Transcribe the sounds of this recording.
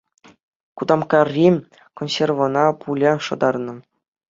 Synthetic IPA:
kud̪ɑmkɑrʲːi | konsʲervŏnɑpʰulʲɑʂɤ̆d̪ɑrnɤ̆

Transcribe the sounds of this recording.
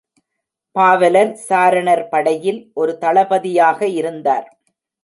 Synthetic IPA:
paːʋɐlɐnsaːɾɐɳɐɾpɐɽɐjɪlʔɔɾɯt̪ɐɭɐbɐðɪjaːɣɐɪɾɯnd̪aːɾ

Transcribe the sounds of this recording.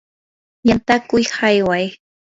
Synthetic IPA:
jant̪akʊjhajwaj

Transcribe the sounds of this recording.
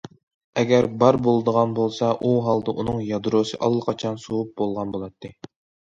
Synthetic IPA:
ɛɡʲæɾbɑɾbolˠɨd̪əʁɑnbolˠsɑʔuɦɑlˠd̪ɨʔunɨŋjɑd̪ɾosɨʔɑ̰lˠːəqʰɑt͡ʃʰɑnsowup̚bolˠʁɑnbolˠɑt̪ʰːɨ

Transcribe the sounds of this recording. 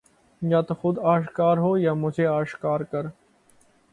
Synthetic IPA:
jaːt̪oxʊd̪aːʃkaːɾɦoːjaːmʊd͡ʒʱeaːʃkaːɾkəɾ

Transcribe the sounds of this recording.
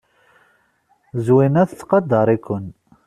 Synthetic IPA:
zwinæθt͡sːqɑd̪əɾˤikʷʊn

